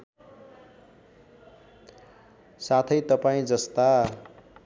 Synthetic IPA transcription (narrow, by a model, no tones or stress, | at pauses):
sat̪ʰʌjt̪ʌpaĩd͡zʌst̪a